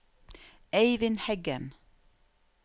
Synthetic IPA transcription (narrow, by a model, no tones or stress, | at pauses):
ʔeɪʋɪnhɛɡən